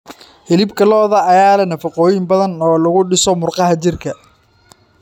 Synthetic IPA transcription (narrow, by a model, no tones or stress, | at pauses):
hɪlɪbkʰɐlɔːðɐːjaːlɐnɐfɐqɔːjɪmbɐðɐnɔːlɐɣʊɖɪsɔmʊrqɑɦɐt͡ʃɪrkʰɐ